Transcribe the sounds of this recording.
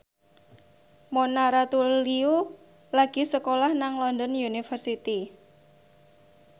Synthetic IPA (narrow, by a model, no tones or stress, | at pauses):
monaɾat̪uliu | laɡ̥i̤səkolahnaŋlɔnd̪ɔnjunifərsit̪i